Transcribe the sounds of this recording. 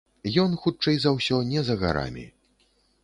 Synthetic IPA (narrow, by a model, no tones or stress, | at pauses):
jɔnxut͡ʂɛjzɐwsʲɔnʲɛzɐɣa̰ɾa̰mʲḭ